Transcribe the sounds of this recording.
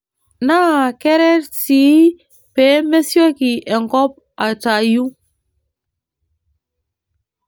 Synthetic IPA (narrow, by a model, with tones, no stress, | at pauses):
na˦˨ke˦ɾɛ˦ɾti˨˦ | pe˨˦me˦sjo˦ki˨ʔe˨ŋkɔ˦p̚ | a˨ta˨ju˦